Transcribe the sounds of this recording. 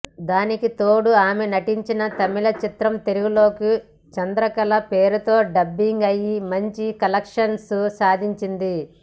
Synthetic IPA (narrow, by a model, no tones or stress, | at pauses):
d̪aːnikit̪oːɽuaːmenɐʈiɲt͡ʃinɐt̪ɐmilɐt͡ʃit̪ɾɐmt̪e̞luɡulo̞ːki | t͡ʃɐnd̪ɾɐkɐlɐpe̞ːɾut̪o̞ːɖɐbːiŋɡɐjimɐɲt͡ʃikɐlɐkʂɐnsusaːd̪ʱiɲt͡ʃind̪i